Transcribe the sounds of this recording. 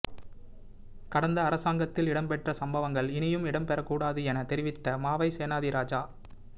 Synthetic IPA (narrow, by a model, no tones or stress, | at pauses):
kɐɽɐnd̪ɐːɾɐsaːŋɡɐt̪ːɪlɪɽɐmpɛʈrɐsɐmbɐʋɐŋɡɐɭɪnɪjɯmɪɽɐmpɛɾɐkːuːɽaːðɯɛnɐt̪ɛɾɪʋɪt̪ːɐmaːʋɐɪseːnaːðɪɾʔaːd͡ʒaː